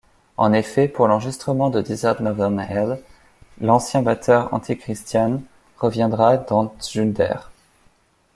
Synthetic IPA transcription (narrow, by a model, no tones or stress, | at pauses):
ɑ̰̃nefɛpuʁlɑ̃ʁʒist̪χəmɑ̃d̪əd̪izɛʁt̪nɔvɛʁnɛl | lɑ̃sjɛ̃bat̪ʰœʁɑ̰̃t̪ʰikχist̪jan | ʁəvjɛ̃d̪ʁad̪ɑ̃ʒyd̪ɛ̰ʁ